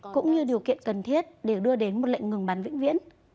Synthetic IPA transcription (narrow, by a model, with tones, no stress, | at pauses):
kʊ̰˧˥ŋ͡mɲɨ˧ɗi˨˩əwkḭ˧˨ənkə˨˩nt̪ʰi˦˥ət̚ɗe˧˩ɗɨ˧əɗe˨˦nmo˨˩t̚lə̰˧˨ŋŋɨ˨˩əŋɓaː˨˦nvḭ̈˧˥ŋ̟vḭ˧˥ən